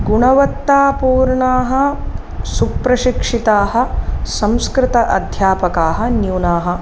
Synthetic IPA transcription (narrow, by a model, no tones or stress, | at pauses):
ɡuɳɐʋɐt̪ːaːpuːɾɳaːɦɐ̆ | suk̚pɾɐʃikʂit̪aːɦɐ̆sɐmskɾɪt̪ɐʔɐd̪ʱjaːpɐkaːɦɐ̆njuːnaːɦɐ̆